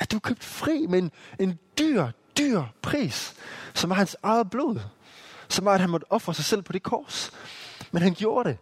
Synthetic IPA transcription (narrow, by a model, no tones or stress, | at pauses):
æd̥e̝ʋɐkʰøb̥̚d̥fʁḭːmee̝ne̝nd̥yɐ̰d̥yːɐ̰pʰʁḭːssɒ̽mʋɑ̈hænsɑ̈ɪð̩ˠb̥lo̝̰ðˠ | sɒ̽mʋɑ̈æd̥̚hænmɒ̽d̥əʔɒ̽fʁɐsɑ̈ɪsel̰pʰɒ̽d̥e̝kʰɒːs | menɦænɡ̥jo̝ːɐɾe̝